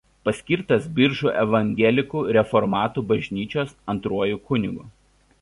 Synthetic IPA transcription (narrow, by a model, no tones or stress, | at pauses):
pɐsʲkʲɪɾt̪ɐsbʲɪɾʒuːʔɛʋɐŋʲɡʲɛlʲɪkuːɾʲɛfɔɾmɑːt̪uːbɐʒʲnʲiːt͡ʃʲoːsɐnt̪ɾuɔjukʊnʲɪɡṵː